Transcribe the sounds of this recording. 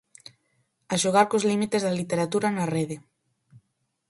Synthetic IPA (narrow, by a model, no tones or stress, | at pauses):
aʃoɣaɾkozlimit̪ezðalit̪eɾat̪uɾanareðe